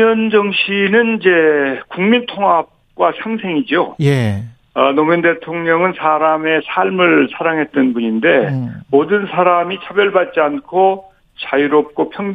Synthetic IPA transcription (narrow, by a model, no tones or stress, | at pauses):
ʌnd͡ʑʌŋɕʰinɯnid͡ʑe̞kuŋmintʰoŋɦap̚k͈wasʰaŋsʰe̞ŋid͡ʑoje | ʌnomjʌnde̞tʰoŋɲʌŋɯnsʰaɾame̞sʰaɭmɯɭsʰaɾaŋɦe̞t̚t͈ʌnbuɲinde̞modɯnsʰaɾamit͡ɕʰabjʌɭbat̚t͡ɕ͈iankʰo | t͡ɕajiɾop̚k͈opʰjʌŋ